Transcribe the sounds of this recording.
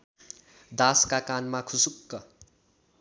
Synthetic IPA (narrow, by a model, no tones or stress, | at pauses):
d̪askakanmakʰusukːʌ